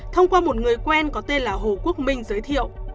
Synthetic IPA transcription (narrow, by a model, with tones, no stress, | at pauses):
t̪ʰə˧wŋ͡mkwaː˧mo˨˩t̚ŋɨ˨˩əjkwɛ˧nkɔ˨˦t̪e˧nlaː˨˩ɦo˨˩ku˦˥ək̚mï˧ŋ̟zəː˨˦jt̪ʰḭ˧˨ə˨w